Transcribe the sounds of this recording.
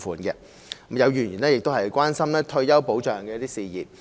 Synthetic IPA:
fuː˨nkɛ˧˦ | mjɐ˨˧wjyː˨˩njiː˨˩nɛ˥jɪ˨k̚t̪o˥wɦɐ˨˩jkʷwaː˥nsɐ˥mlɛː˥t̪ʰɵ˧ɥjɐ˥wpo˨˥wt͡ʃœː˨˩ŋkɛː˧˦˥t̪iː˥siː˨˧jḭː˨˩p̚

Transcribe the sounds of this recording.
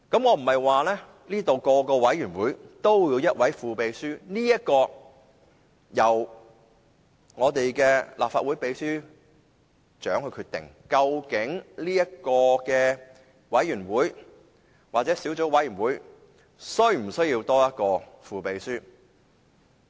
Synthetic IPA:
kɐ˨˥mŋɔː˨˧m̩˨˩mhɐ˨jwaː˨lɛː˥ | liː˥t̪o˨wkɔː˧kɔː˧wɐ˨˥jyː˨˩nwuː˨˥jt̪o˥wjiː˧wjɐ˥t̚wɐ˨˥jfuː˨pe˨˧jsyː˥niː˥jɐ˥t̚kɔː˧ | jɐ˨˩w | ŋɔː˨˧t̪e˨jkɛː˧lʔa̰ː˨p̚faː˧t̚wu˨˥jpe˨˧jsyː˥ | t͡ʃœː˨˥ŋhɵ˧ɥkʰyː˧t̪ɪ̰˨˩ŋ | kɐ˧wkɪ˨˥ŋnliː˥jɐ˥t̚kɔː˧kɛː˧ | wɐ˨˥jyː˨˩nwuː˨˥j | waː˨˩t͡sɛː˨˥siː˨˥wt͡so˨˥wɐ˨˥jyː˨˩nwuː˨˥j | sɵ˥ɥm̩˨˩sɵ˥ji˧wt̪ɔː˥jɐ˥t̚kɔː˧fuː˨˧pe˨˧jsyː˥

